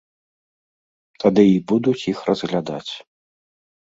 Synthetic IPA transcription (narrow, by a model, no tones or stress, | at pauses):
t̪ad̪ɨibud̪ut͡sʲixrɐzɣlʲad̪a̰t͡sʲ